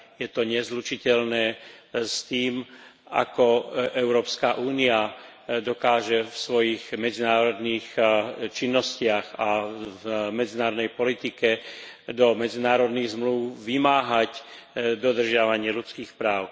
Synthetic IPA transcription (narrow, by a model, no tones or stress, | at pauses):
jɛt̪ɔɲɛzlut͡ʃicɛʎnɛːst̪iːm | a̰kɔʔɛʊɾɔːpskaʔuːnia | d̪ɔkaːʒɛfsʋɔjiɣmɛd͡zinaːɾɔd̪niːxt͡ʃinːɔscɪaɣavmɛd͡zinaːɾɔd̪ɛjpɔlit̪ikɛ | d̪ɔmɛd͡zinaːɾɔd̪niːɣzmluʊʋimaːɦac | d̪ɔd̪r̩ʒɪaʋaɲɪɛlut͡skiːxpɾaːʊ